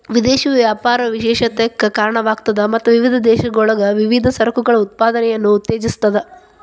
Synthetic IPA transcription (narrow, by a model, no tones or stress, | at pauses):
ʋid̪eːʃiʋjaːpaːɾɐʋiʃɛːʃɐt̪ɐkːɐkaːɾɐɳɐʋaːkt̪ɐd̪ɐmɐt̪ːuʋiʋid̪ʱɐd̪ɛːʃɐɡɔɭɐɡɐʋiʋid̪ʱɐsɐɾɐkuɡɐɭɐut̪̚paːd̪ɐnɛjɐnːuːt̪ːeːd͡ʒist̪ɐd̪e